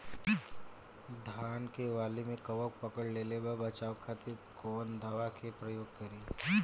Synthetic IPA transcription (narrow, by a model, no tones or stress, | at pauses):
d̪ʱaːnkeʋaːlimẽkɐʋək̚pɐkəɽleːlebɐbɐt͡ʃaːʋkʰaːt̪ikoːnd̪ʱɐʋakʰepɾɐjoːɡ̚kɐɾiː